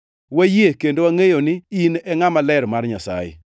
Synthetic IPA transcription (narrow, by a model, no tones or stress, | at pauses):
wajekendowaŋejonɪinɛŋamalɛɾmarɲasa̰jɪ̰